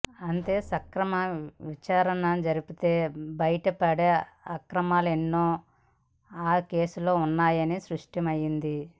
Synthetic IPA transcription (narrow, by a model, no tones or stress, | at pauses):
ɐnt̪e̞ːsɐkɾɐmɐʋit͡ʃaːɾɐnɐnd͡ʒɐɾipit̪e̞ːbɐjɐʈɐpɐɽeɐkɾɐmaːluenːoː | aːke̞ːsulo̞ːunːaːjɐnisɾuʂʈimɐjːind̪i